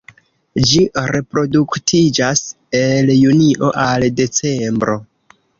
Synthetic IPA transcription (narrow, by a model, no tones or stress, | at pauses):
d͡ʒiɾe̞pɾo̞duktʰid͡ʒas | e̞ljuniʔo̞ʔalde̞t͡se̞mbɾo̞